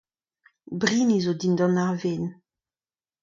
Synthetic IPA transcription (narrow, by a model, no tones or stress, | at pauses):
bʁinizod̪ind̪ɔnaʁven